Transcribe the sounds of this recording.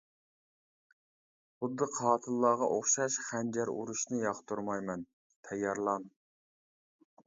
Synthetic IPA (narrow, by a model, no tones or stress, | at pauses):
χʊd̪ːɨqʰɑːt̪ʰɨlˠːɑːʁɑʔoχʃɑʃχænd͡ʒæɾṵɾuʃnɨjɑχt̪uɾmɑjmɛn | t̪ʰɛjːɑɾlˠɑn